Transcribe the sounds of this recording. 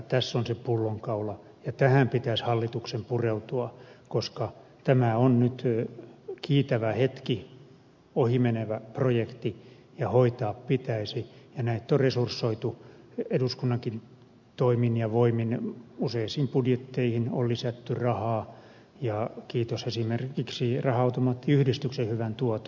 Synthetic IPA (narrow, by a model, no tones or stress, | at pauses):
t̪æsːonsepulːoŋkɑulɑ | jɑt̪æhæmpit̪æshɑlːit̪uksempureut̪uɑkoskɑ | t̪æmæonnyt̪ | kiːt̪æʋæhet̪ki | ohimeneʋæprojekt̪i | jɑhoit̪ɑːppit̪æisijɑnæit̪ːoresursːoit̪u | eduskunːɑŋkin | t̪oiminjɑʋoiminuseisiːmpudjet̪ːeihinollisæt̪ːyrɑhɑː | jɑkiːt̪osesimerkiksirɑhɑɑut̪omɑt̪ːiyhdist̪yksehyʋænt̪uɔt̪o̥